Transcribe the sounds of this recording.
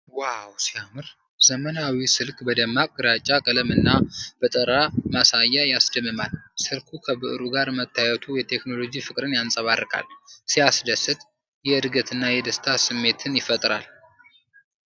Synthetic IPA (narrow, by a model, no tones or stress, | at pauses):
wawsijamɨɾ | z̥əmənawisɨlkʼbəd̪əmːakʼɨɾat͡ʃʼakʼələmɨnːab̥ət̪ʼəɾamasajːajasd̪əmːɨmalsɨlkʰukʰəbɨʔɨɾuɡaɾmət̪ʰːajɛt̪ʰujɛt̪ʰe̞kno̞lo̞d͡ʒifɨkʼɾɨnjansʼəβaɾɨkʼa̰lsijasd̪əsɨt̪ʼ | jɛɨd̪ɡət̪ʰɨnːajɛd̪əst̪ʰasɨmːe̞t̪ʰɨnjɪfət̪ʼɾal